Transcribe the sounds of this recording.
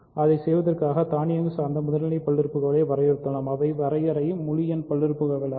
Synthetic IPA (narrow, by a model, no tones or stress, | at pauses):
ʔɐðɐɪsɛjʋɐðɐrkaːɣɐt̪aːnɪjɐŋɡɯsaːɾnd̪ɐmʊðɐlɐnɐɪpɐɭːɪɾɯpːɯɣɐʋɪɭeːʋɐɾɐjɛɾɯt̪ːɐlaːmɐʋɐɪʋɐɾɐjɐɾɐjɯmːʊɻɪjɐnpɐɭːɪɾɯpːɯɣɐʋɐɭ